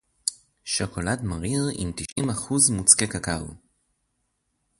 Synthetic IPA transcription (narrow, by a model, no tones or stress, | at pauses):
ʃoko̞ladmaʁiʁḭmt̪iʃʔimaχuzmut͡skekaka̰